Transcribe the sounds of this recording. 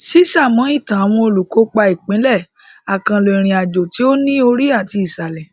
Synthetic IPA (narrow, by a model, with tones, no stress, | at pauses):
ʃi˦ʃa˦˨mɔ̃˨˦i˦˨tã˨a˨w̃ɔ̃˧o˨lu˨ko˨˦k͡pa˧i˨k͡pĩ˨˦lɛ˦˨ | a˨kã˨le˨ɾ̃ĩ˨a˨d͡ʒo˨ti˨˦o˦nĩ˦o˧ɾi˦a˦˨ti˧i˨sa˨lɛ˨